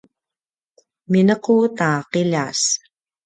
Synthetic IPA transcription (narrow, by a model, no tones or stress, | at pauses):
minʌqoːt̪aːqeʎaːs